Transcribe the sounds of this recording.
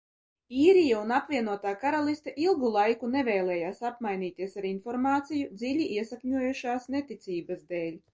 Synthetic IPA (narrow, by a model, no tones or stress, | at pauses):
iːɾijaunapvʲiɛnuɔt̪aːkaɾalˠist̪aʔilˠɡulˠajkunevʲɛːlˠɛːjaːsapmajniːt̪iɛsaɾinfɔɾmaːt̪sijud̪zilʲiʔiɛsakɲʲuɔjuʃaːsnet̪it̪sʲiːbazd̪eːlʲ